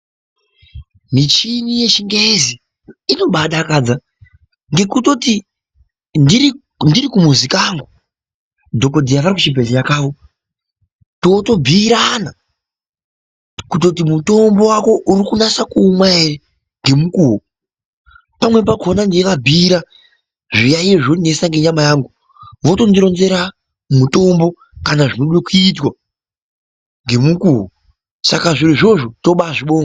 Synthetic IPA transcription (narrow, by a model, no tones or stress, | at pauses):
mit͡ʃinije̞t͡ʃiŋɡezi | ino̞ɓaɗakad͡za | ŋɡe̞kuto̞ti | ndiɾi | ndirikumuzikaŋɡu | dʱo̞ko̞dʱijaʋaɾikut͡ʃibʱeɮejakaʋo̞ | toto̞bʱiːɾana | kuto̞t̬imuto̞mbo̞wako̞ʔuɾikunasakuːmwaere | ŋɡe̞mukuːɦo | pamwe̞p̬aɡʱo̞nandikabʱiːɾa | ʐijajeʐone̞saŋɡe̞ɲamajaːŋɡu | ʋo̞to̞ndiɾo̞nze̞ɾa | muto̞mbo̞ | kanaʐinoɗwekuitwa | ŋɡe̞mukuɦo | sakaʐiriʐo̞ʐoto̞ɓaʐiɓo̞ːŋɡo